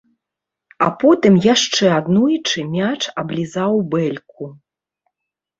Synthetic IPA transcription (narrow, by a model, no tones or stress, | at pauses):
apɔt̪ɨmjaʂt͡ʂɛad̪nujt͡ʂɨmʲat͡ʂɐblʲizawbɛlʲk̚u